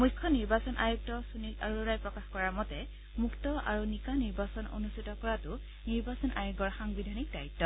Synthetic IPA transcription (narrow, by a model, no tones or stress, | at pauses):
mujkʰːɔniɹbasɔnʔajuk̚tɔsunitaɹuɹajpɹɔkaxkɔɹamɔtɛ | muktɔa̰ɹunikaniɹbasɔno̰nustʰitɔkɔɹatʊ | niɹbasɔnʔajuɡɔɹxaŋbidʱanik̚dajitːɔ